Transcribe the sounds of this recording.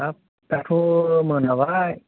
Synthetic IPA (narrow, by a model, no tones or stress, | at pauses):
ap̚ | t̪ɛt̪ʰumɯnawaj